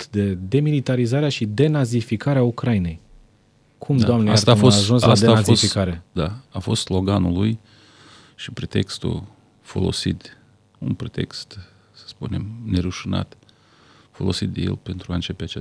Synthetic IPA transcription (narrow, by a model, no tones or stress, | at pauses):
t̪d̪e̞d̪e̞milit̪aɾizaɾeaʃid̪e̞nazifikaɾeaukɾaine̞j | kʰumd̪oamnejaast̪afosaʒunslasd̪eafzoisfikaɾe̞d̪aafo̞st̪slo̞ɡanuluj | ʃipɾet̪e̞kst̪ṵl | fo̞̰lo̞̰sit̪ | unpɾet̪e̞kst̪ | sə̥spune̞mne̞ɾuʃina̰t̪ | fo̞̰lo̞sit̪d̪ejelpe̞nt̪ɾuaɨnt͡ʃe̞peat͡ʃe